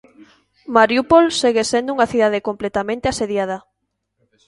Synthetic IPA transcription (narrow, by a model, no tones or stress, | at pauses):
maɾjupolseɣesend̪ʊuŋaθiðaðekomplet̪amẽnt̪easeðjað̞ɐ